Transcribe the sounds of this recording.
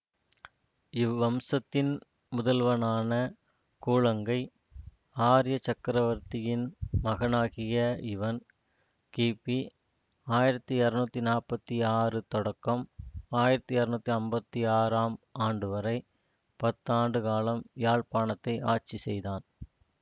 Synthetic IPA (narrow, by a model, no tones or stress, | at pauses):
ɪʋːɐmsɐt̪ːɪn | mʊðɐlʋɐnaːnɐ | kuːɻɐŋɡɐɪ | aːɾɪjɐt͡ʃɐkːɪɾɐʋɐɾt̪ɪjɪnmɐɣɐnaːɣɪjɐɪʋɐn | kiːpːi | aːjɪɾɐt̪ːɯɐɾɯnuːt̪ːinaːɾpɐt̪ːiaːrɯt̪ɔɽɐkːɐmaːjɪɾɐt̪ːɯɐɾɯnuːt̪ːiɐmbɐt̪ːiaːɾaːmaːɳɖɯʋɐɾɐɪ | pɐt̪ːaːɳɖɯkaːlɐmjaːɻpaːɳɐt̪ːɐɪʔaːʈt͡ʃisɛjðaːn